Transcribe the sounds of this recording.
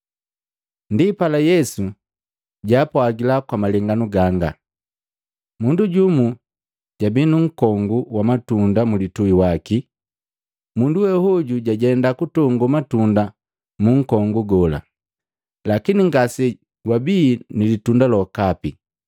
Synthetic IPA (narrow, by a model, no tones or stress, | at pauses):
ndipalajɛsu | ɟaːpwaɡilakwamalɛŋɡanuɡaŋɡa̰ | munduɟumu | ɟ̥abinuŋ̩kɔŋɡuwamatundamulituiwaki | munduwɛhɔɟuɟaɟɛndakutɔŋɡumatunda | muŋ̩kɔŋɡuɡɔla̰ | lakiniŋɡasɛ | wabiːnilitundalɔkapi